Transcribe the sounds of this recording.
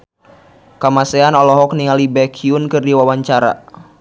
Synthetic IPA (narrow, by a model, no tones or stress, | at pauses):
kamasɛanɔlɔɦɔk̚niŋalibɛkʰiunkɨrdiwawaɲt͡ʃaɾa̰